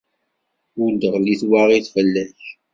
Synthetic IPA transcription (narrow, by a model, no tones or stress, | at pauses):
ʊd̪əʁliθwaʁiθfəlːæç